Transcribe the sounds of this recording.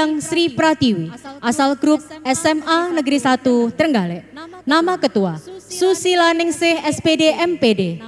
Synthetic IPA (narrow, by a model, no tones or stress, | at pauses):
aŋsɾipɾat̪iwiʔasalɡɾʊp̚ɛsɛmanəɡəɾisat̪ut̪ərŋɡalɛʔnamakət̪uasusilanɪŋsɪhɛspedeʔɛmpede